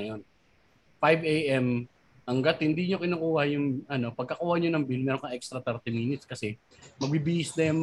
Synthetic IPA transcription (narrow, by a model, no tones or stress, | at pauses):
jon | fajbʔejʔɛm | ʔɐŋɡat̪̚hɪnd̪iɲokɪnukuːhɐjʊŋɐno̞pɐɡ̚kɐkuːhɐɲonɐŋbilmɛːɾoŋkɐŋʔɛkst̪ɾɐt̪ɛɾt̪imiːnɪt̪skɐsɛ | mɐɡ̚bibiʔɪsd̪ɛjm